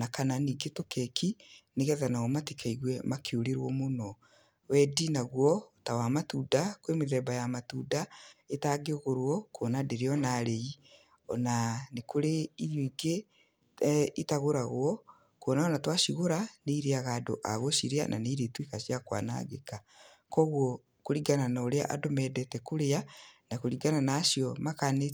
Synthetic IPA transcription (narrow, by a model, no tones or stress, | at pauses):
nakananiːɡetokɛkʰineɣɛðanaɔmatikʰaiɣwɛmakʰeoɾeɾwɔmonɔ | wɛdinaɣwɔotawamatuːdakwemeðɛbajamatudaetaɡeoɣoɾwɔkoːnadeɾeɔnaɾei | ɔ̰nanekoɾeiɾjoiɡe | itaɣoɾaɣoɔ | konaɔnatwaʃiɣoɾaneiɾeaɣaːdo̰ʔaɣoʃiɾea̰nʔa̰neiɾetwikaɕijakwa̰na̰ɡeka | kɔɣwɔ | koɾiɡananaoɾea̰ʔadomɛdɛtɛkoɾeanakoɾiɡananaːʃiɔmakane